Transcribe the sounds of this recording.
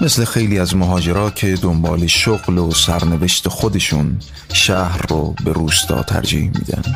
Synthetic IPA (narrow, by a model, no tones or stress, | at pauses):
mesle̞xe̞jliːæzmoɦɒːd͡ʒe̞ɾɒːcʰe̞d̪ombɒ̰ːle̞ʃoɣlosæɾne̞ve̞ʃt̪ʰe̞xod̪e̞ʃuːn | ʃæhɾːobe̞ɾuːst̪ʰɒ̰ːt̪ʰæ̰ɾd͡ʒḭːhmḭːd̪æ̰nd̪̥